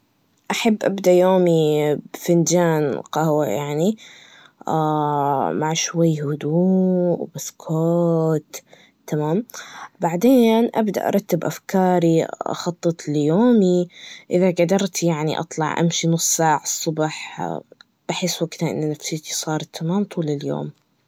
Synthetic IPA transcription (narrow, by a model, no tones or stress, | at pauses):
ʔaħabːʔabd̪aʔjoːmibfɪnd͡ʒaːnqɑhwajaʕni | a | maʕʃwajːhʊd̪uːbɪskʰoːt̪ː | amaːmbaʕd̪eːnʔabd̪a̰ʔɑ̰ɾˤɑt̪ːɪbʔa̰fkʰɑːɾiʔɑ̰xɑt̪ˤːɨt̪ˤljoːmiʔɪðaɡad̪ɑɾˤt̪jaʕnḭʔɑ̰t̪ˤlɑ̰ʕʔa̰mʃinʊsˤːsaːʕɑsˤːʊbɑħ | b̥aħɪsːwaɡt̪aʔɪ̰nːnːafsɪt̪i̥sˤɑːɾˤt̪ʰːamaːmt̪ˤuːlɪljo̰ːm